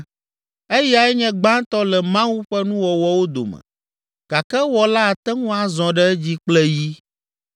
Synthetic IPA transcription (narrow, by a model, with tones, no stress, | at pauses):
e˦ja˨ɛ˦ɲɛ̃˦ɡ͡bã˦t̪ɔ˦lɛ˨mã˦wu˦ɸɛ˦nũ˦wɔ˨wɔ˦wo˦d̪o̰˨mɛ̰̃˨ | ɡ̥a˨kɛ˦wɔ˦la˦˨t̪ɛ˦ŋũ˦a˨zɔ̃˨ɖɛ˦d͡ʑi˦k͡plɛ˦ji˦